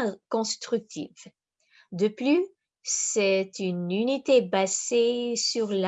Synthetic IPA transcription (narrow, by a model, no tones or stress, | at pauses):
kɔ̃st̪χyk̚t̪ʰḭv | d̪əply | sɛt̪ynynit̪ebazesyʁla